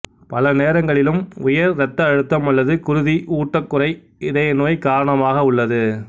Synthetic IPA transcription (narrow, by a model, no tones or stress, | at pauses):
pɐlɐneːɾɐŋɡɐɭɪlɯmʊjɐɾɾɐt̪ːɐːɻɯt̪ːɐmɐlːɐðɯkʊɾʊðiʔuːʈːɐkːʊɾɐɪ | ɪðɐjɐnoːjkaːɾɐɳɐmaːɣɐʊɭːɐðɯ